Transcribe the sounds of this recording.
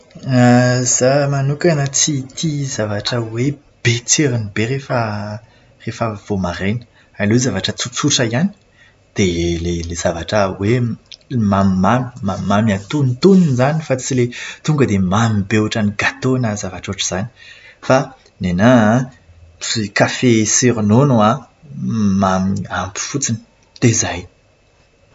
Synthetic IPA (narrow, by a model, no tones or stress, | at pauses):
az̥amanukanət͡sit̪izavaʈ͡ʂəwe | b̥et͡seɾinibeɾefə | refəv̥omaɾenə̥ | alewzavaʈ͡ʂət͡sut͡suʈ͡ʂəiani̥ | d̪̥elelezavaʈ͡ʂəwe | mammami̥mammamiat̪unt̪uninzanifat͡silet̪uŋɡəd̪emamibewaʈ͡ʂaniɡat̪onazavaʈ͡ʂoʈ͡ʂəz̥ani̥ | fa | nena | ikafesiɾnonua | mamiampi̥fut͡sin | t̪ezaj